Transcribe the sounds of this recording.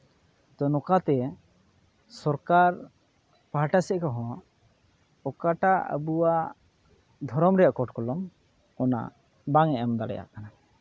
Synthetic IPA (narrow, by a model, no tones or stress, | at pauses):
t̪ɔnɔkat̪ɛ | sɔɾkaɾ | paɦaʈasɛʔkɔɦɔ̃ | ɔkaʈaə̰buwaʔ | d̪ʱɔɾɔmɾɛjaʔkɔʈkɔlɔm | ɔna̰ | baŋɛʔɔmd̪alɛ̰ja̰ʔkana